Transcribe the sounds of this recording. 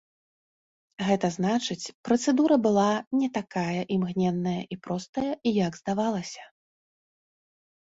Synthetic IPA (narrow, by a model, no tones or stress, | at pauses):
ɣɛt̪ɐznat͡ʂɨt͡sʲpɾɐt̪sɛd̪uɾɐbɨlˠanʲɛt̪akajɐʔimɣnʲɛnːɐjɐʔipɾɔst̪ɐjɐijaɡzd̪avalˠɐsʲɐ̥